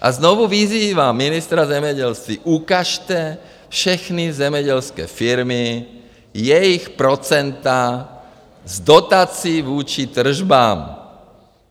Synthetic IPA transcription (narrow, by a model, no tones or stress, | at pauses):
ʔa̰znɔʋuʋiziːʋaminist̪ɾazɛmjɛɟɛlst̪ʋiʔukaʃt̪ɛː | fʃɛxnizɛmɛɟɛlskɛ̰ːfiɾmi | jɛjixpɾɔt͡sɛnt̪a | zd̪ɔt̪aːt͡siːʋuːt͡ʃit̪r̩ʒbaːm